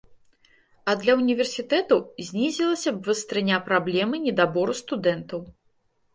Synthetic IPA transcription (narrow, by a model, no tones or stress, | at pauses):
ɐd̪lʲɐunʲivʲɛrsʲit̪ɛt̪ɐwzʲnʲizʲilˠɐsʲɐbvɨst̪ɾɨnʲapɾablʲɛmɨnʲɛd̪abɔɾust̪ud̪ɛnt̪ɐw